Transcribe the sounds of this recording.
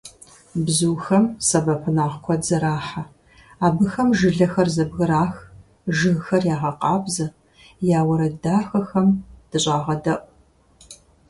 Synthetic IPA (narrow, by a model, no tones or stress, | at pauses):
bzuːxɐmsɐbɐpʰɨnaːʁkʷʰɔzɐɾaːħa | aːbɨxɐmʒɨɮɐxɐrzɐbɣɨɾaːx | ʒɨɣxɐrjaːʁɐqɑːbzɐ | jaːwɐɾɐdaːxɐxɐmd̥ɨɕʼaːʁɐdɐʔʷʼ